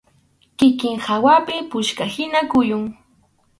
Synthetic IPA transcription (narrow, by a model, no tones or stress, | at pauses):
kɪkɪŋhawapɪpʊʃkahɪnakʊjʊŋ